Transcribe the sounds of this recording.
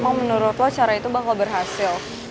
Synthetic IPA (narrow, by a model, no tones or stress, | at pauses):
maŋmənuɾʊt̪laht͡ʃaɾait̪ubakalbərɦasɪl